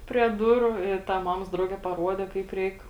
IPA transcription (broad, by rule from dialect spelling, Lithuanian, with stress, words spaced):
pʲrʲiɛ ˈdʊrʊ ɪ ˈtɐ ˈmɑːmoːs ˈdrɐʊɡʲɛ pɐˈruɔdʲɛ ˈkɐɪp ˈrʲɛɪk